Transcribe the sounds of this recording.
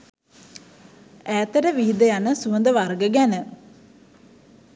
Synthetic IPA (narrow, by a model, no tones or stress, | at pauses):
æːt̪əʈəʋiɦid̪əjanəsuʋənd̪əʋarɡəɡænə